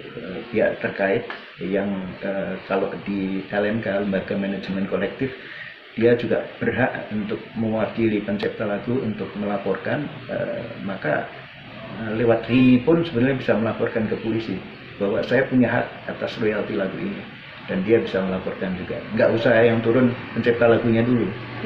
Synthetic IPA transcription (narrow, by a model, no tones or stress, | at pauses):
əbia̰ʔt̪ərkaɪt̪̚ | jaŋəkalodialɛnkaləmbaɡamanad͡ʒmɛnkolɛk̚t̪ɪf | d̥iad͡ʒuɡab̥ərɦaʔunt̪ʊk̚məwakilipəɲt͡ʃɛp̚t̪alaɡuunt̪ʊk̚məlapɔrkanə̰maka̰ | əlewat̪riɲipʊnsəbənrɲabisaməlapɔrkankəpolisi | b̥aɦwa̰sajapuɲaɦa̰t̪̚at̪asrojalt̪ilaɡuʔḭni | d̥andiabisaməlapɔrkand͡ʒuɡa̰ʔŋɡaʔusahjaŋt̪uɾʊnpəɲt͡ʃɛp̚t̪alaɡuɲadulu